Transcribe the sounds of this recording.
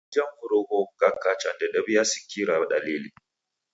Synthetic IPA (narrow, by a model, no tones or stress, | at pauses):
d͡ʒɐmhʊɾoɡoɡakːat͡ʃandaɗɐbɪjaːsʊ̥kʲːiɾaɗaliːliː